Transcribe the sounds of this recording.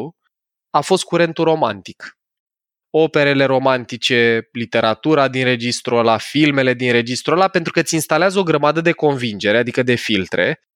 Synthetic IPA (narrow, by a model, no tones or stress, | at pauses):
afo̞st̪̚kuɾe̞nt̪uɾo̞ma̰nt̪ik | o̞pe̞ɾe̞le̞ɾo̞mant̪it͡ʃe̞lit̪e̞ɾat̪uɾad̪inre̞d͡ʒist̪ɾolafilme̞le̞d̪inɾe̞d͡ʒist̪ɾoolape̞nt̪ɾukət̪sʲinst̪aleazəo̞ɡɾəmad̪əd̪e̞ko̞nvind͡ʒe̞ɾe̞ad̪ikəd̪e̞filt̪ɾe̞̰